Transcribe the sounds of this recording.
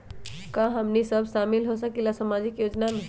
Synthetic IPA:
kãɦəmnisəbʱʃamilɦosəkilasəmad͡ʒikjoːd͡ʒname

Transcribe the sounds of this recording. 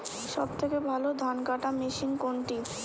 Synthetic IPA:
ʃɔb̚t̪ʰekebʱalod̪ʱankaʈameʃinkoɳʈi

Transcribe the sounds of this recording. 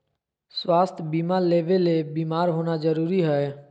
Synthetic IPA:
sʋaːst̪ʰbiːmaːɾleːʋeleːbiːmaːɾɦoːnazəɾuːɾiɦɛɛ

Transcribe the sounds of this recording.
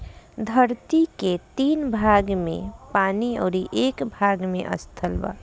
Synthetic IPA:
d̪ʱəɾt̪iket̪iːnbʱaɡmḛ̃paːniɔ̰ːɾiʔekbʱaɡmḛ̃ʔə̰st̪ʰəlba̰

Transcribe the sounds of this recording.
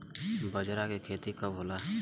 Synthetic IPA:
bəd͡ʒɾakekʰeːt̪ikabɦoːla

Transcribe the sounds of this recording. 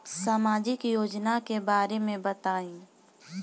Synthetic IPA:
saːmaːd͡ʒɪkjoːd͡ʒnakebaːɾemẽbɐt̪aːĩː

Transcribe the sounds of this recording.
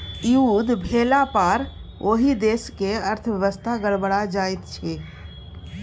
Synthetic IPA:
iud̪bʱeːlapaɾʔoːɦid̪eːskeəɾt̪ʰʋjəʋəst̪ʰaɡəɽbəɽad͡ʒaːjt̪t͡ʃʰeː

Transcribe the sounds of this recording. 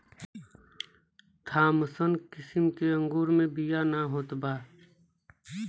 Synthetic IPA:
t̪ʰaːməsənkɪsɪmkeə̃ŋɡuːɾmẽbijanaɦoːt̪baː

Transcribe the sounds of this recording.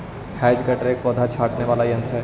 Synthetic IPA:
hɛːd͡ʒɡɐʈɾekɔːd̪ʱat͡ʃʰaːʈneʋaːlaijɐ̃nt̪ɦɛː

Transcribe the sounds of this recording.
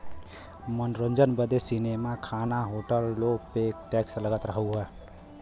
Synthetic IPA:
mənɾond͡ʒənbəd̪esinemakʰanaɦoʈəlːopekʈɛksləɡət̪ɾəɦəwɦɛ

